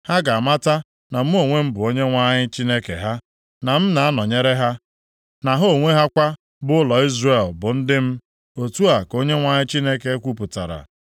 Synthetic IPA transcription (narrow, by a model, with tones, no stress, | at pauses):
ha˦ɡa˨a˨ma˦ta˦ | na˨m̩˦o˦˨ŋʷe˦m̩˦bʊ˨o˦ɲe˦ŋʷa˦ɲɪ˦t͡ʃi˦ne˦kḛ˨ɦa˦ | na˨m̩˦na˨a˦nɔ˨ɲe˦ɾe˦ɦa˦ | na˨ɦo˦˨ŋʷe˦ɦa˦kʷa˦ | bʊ˦ʊ˦lɔ˨i˦zre˨lbʊ˨n̩˦dɪ˦m̩˦ | o˨tu˦a˨ko˦ɲe˦ŋʷa˦ɲɪ˦t͡ʃi˦ne˦ke˨e˦kʷu˦pʊ˨ta̰˨ɾa̰˨